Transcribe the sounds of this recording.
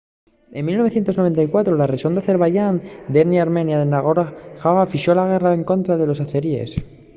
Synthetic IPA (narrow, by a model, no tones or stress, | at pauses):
e̞nmilnoe̞θjent̪o̞znoe̞nt̪ajkwat̪ɾolareʃond̪aθe̞ɾβaʝand̪eniaɾmẽ̞njaðenaɣoɾaxaβafiʃo̞laɣ̞e̞rae̞ŋko̞nt̪ɾaðe̞lo̞saθeɾie̞̰s